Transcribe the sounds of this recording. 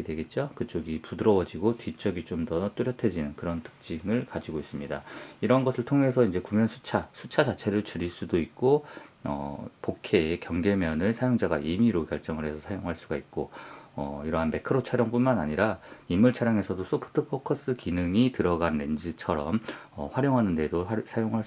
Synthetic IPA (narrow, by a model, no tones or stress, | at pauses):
edwe̞ɡe̞t̚t͡ɕ͈okɯt͡ɕ͈oɡipudɯɾʌwʌd͡ʑiɡotɥit͡ɕ͈ʌɡit͡ɕ͈omdʌt͈uɾjʌtʰe̞d͡ʑinɯnkɯɾʌntʰɯ̥k̚t͡ɕ͈iŋɯɭkad͡ʑiɡois͈ɯmɲida̰iɾʌnɡʌsʰɯɭtʰoŋe̞sʰʌind͡ʑe̞kumjʌnsʰu̥t͡ɕʰasʰut͡ɕʰat͡ɕat͡ɕʰe̞ɾɯɭt͡ɕuɾiɭs͈udoik̚k͈oʌ̰pokʰe̞kjʌŋɡe̞mjʌnɯɭsʰajoŋd͡ʑaɡaʔimiɾokjʌɭt͡ɕ͈ʌŋɯɭɦe̞sʰʌsʰajoŋɦaɭs͈uɡait̚k͈oʌ̰iɾʌɦanme̞kʰɯɾot͡ɕʰaɾjʌŋp͈unmanaɲiɾaimːuɭt͡ɕʰaɾjaŋe̞sʰʌdos͈ʰopʰɯ̥tʰɯpʰokʰʌs͈ɯkinɯŋitɯɾʌɡanːe̞nd͡ʑit͡ɕʰʌɾʌmʌ̰ɸwaɾjoŋɦanɯnde̞dosʰajoŋɦa